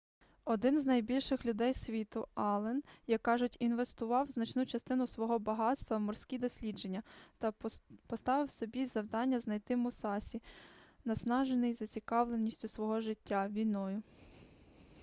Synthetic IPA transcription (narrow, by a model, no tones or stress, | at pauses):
ɔd̪ɪnznɐjbʲilʲʃɪxlʲʊd̪ɛjsʲʋʲit̪ʊɑlˠɛnjɐkkːɑʒʊtʲinʋest̪ʊʋɑwznɐt͡ʃnut͡ʃɐst̪ɪnʊsʋɔɦɔbɐɦɑt̪st̪ʋɐmɔrsʲkʲid̪ɔsʲlʲid͡ʒe̞nʲːɐt̪ɐpɔst̪ɑʋɪwsɔbʲizɐwd̪ɑnʲːɐznɐjt̪ɪmʊsɑsʲinɐsnɑʒenɪjzɐt͡sʲikɑʋlˠenʲːisʲtʲʊsʋɔɦɔʒɪtʲːaʋʲijnɔjʊ